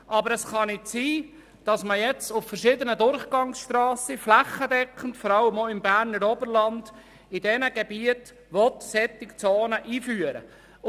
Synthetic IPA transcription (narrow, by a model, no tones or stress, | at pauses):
ʔɑbəɾɛsχɑnɪtsiː | d̥ɑsməjɛt͡sʊffəɾʃɪːdənədʊɾχɡ̥ɑŋsʃtrɑːsəflæχːədɛkχən̩tfɔɾɑlːəmoɪmbæːɾnəɾɔbəɾlɑnd | ɪdɛnəɡ̥ɛbiət | ʋɔt̪sɛt̪ːɪkt͡soːnəʔiːfyːəɾə̰